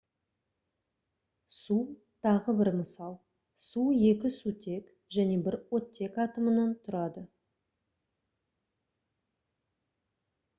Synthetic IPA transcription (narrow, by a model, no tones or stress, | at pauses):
su | t̪ʰɑʁəbɪɾməsɑlˠ | suje̞kʲɪsut̪ʰe̞k | ʒæne̞bɪɾwo̞t̪ʲːe̞kɑt̪əmənɑnt̪ʰʊɾɑd̪ə